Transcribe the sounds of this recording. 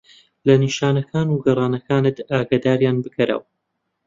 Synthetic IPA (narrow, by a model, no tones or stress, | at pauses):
lɐniʃaːnɐkʰaːnuɡɐrˤɑːnɐkaːnɨt̪aːɡad̪aːɾjaːnbɨkʰɐɾa̰w